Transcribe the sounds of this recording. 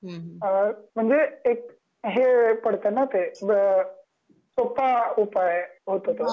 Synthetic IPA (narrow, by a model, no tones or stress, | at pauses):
əm̤əɳd͡zeek̚ | ɦepəɽ̤t̪ənat̪e | sopaupajɦot̪ot̪o